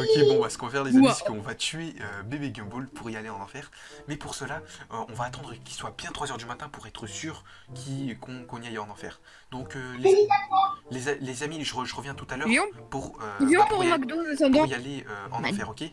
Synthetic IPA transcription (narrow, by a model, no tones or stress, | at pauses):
okʲebɔ̃basə̥kɔ̃vafɛʁlezise̥kəɔ̃vat̪ɥeøbebeɡʲỹbolpʰuʁialeɑ̃nɑ̃fɛːʁ | mɛpuʁsəlaøɔ̃vaːt̪ɑ̃d̪ʁəkʲilswabjɛ̃t̪χwazœʁd̪ymat̪ɛ̃puʁɛt̪χəsyːʁ | kʲʰikʰɔ̃kɔ̃niajɑ̃nɑ̃fɛ̰ːʁ | d̪̥ɔ̃køleiaalezalezamiʒəʁəʒəʁəvjɛ̃t̪ut̪alœʁjɔ̃puʁøjɔ̃puʁnɔkd̪ozsɔbɔ̃ijaleøɑ̃fɛʁokʲe